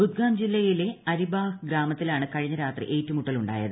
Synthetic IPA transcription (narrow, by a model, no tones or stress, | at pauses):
bud̪̚ɡaːmd͡ʑilːɐjile̞ɐɾibaːhɨɡɾaːmɐt̪ːilaːɳɨkɐɻiɲːɐɾaːt̪rḭʔe̞ːtːumuʈːɐluɳɖa̰ːjɐðɨ